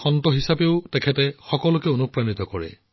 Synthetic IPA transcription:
xɔntɔɦisabeʊtɛkʰɛtɛxɔkɔlʊkɛonupɹanit̪ɔkɔɹɛ̰

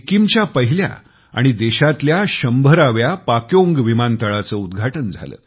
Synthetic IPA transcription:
kimt͡ɕjapəɦilja̰ | a̰ɽ̃id̪eɕat̪ljaɕəmbʱəɾaʋjapakjoŋɡʋimant̪əɭat͡səud̪ɡʱaʈənd͡zʱa̰lə̰ː

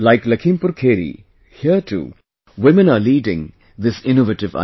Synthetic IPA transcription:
laɪklɐkʰĩːmpʊɾkʰeːɾḭ | hiəʈʰṵː | wɪmə̃naːliːɖɪ̰̃ŋ | d̪ɪsɪnoʋəʈɪʋa̰

